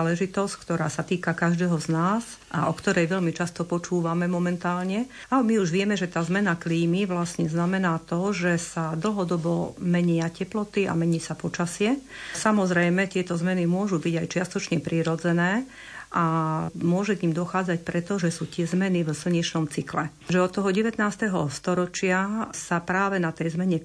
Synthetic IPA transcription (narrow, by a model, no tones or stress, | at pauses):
lɛʒit̪ɔsckt̪ɔɾaːsat̪iːkakaʒd̪ɛɦɔznaːz | ʔa̰ʔɔkt̪ɔɾɛjʋɛʎmit͡ʃast̪ɔpɔt͡ʃuːʋamɛmɔmɛnt̪aːlɲɛ | amiuʒʋɪɛmɛʒɛt̪aːzmɛnakliːmiʋlasɲɛznamɛnaːt̪ɔʒɛsad̪l̩ɦɔd̪ɔbɔmɛɲɪacɛplɔt̪ia̰mɛɲiːsapɔt͡ʃasɪɛsamɔzɾɛjmɛt̪ɪɛt̪ɔzmɛnimʊɔʒubiɟajt͡ʃɪast̪ɔt͡ʃɲɛpɾiːɾɔd͡zɛnɛː | ʔamʊɔʒɛkɲiːmd̪ɔxaːd͡zac̚pɾɛt̪ɔʒɛsuːt̪ɪɛzmɛnivsl̩ɲɛt͡ʃnɔmt͡siklɛ | ʒɛɔt̪ːɔɦɔɟɛʋɛt̪naːst̪ɛɦɔst̪ɔɾɔt͡ʃɪasapɾaːʋɛnat̪ɛjzmɛɲɛ